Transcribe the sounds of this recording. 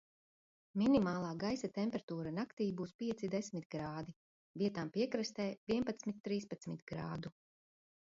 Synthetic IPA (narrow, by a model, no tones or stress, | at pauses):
minimaːlˠaːɡajsat̪ɛmpʲɛɾt̪uːɾanakt̪iːbuːspiɛsid̪ɛsmit̪̚ɡɾaːd̪i | viɛt̪aːmpiɛkɾɨst̪ɛːviɛpat̪smit̪ːɾiːspat̪smit̪ɡɾa̰ːd̪u